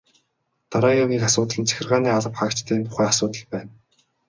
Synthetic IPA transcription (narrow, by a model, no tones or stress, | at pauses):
t̪aɾaːjaɣʲiːkasʊːt̪ə̆ɮə̆nt͡sʰæ̥xʲɪ̆rʁaːniːaɮə̆pχaːkt͡ɕt̪ʰæːnt̪ʰʊ̥χæːasʊːt̪ə̆ɮpæːn